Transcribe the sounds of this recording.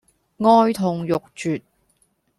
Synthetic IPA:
ŋɔː˥jt̪ʰʊ˨ŋjʊ˨k̚t͡ʃyː˨t̚

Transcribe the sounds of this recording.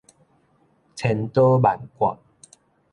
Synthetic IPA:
t͡sʰɛ˨˦nt̪o˦ba˨˩nkwa̰˨

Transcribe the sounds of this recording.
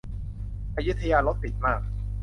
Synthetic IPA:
ʔa˧ju˦˥t̪ʰːa˧jaː˧lo˦˥t̪̚pi˨˩t̪̚maː˥˩k̚

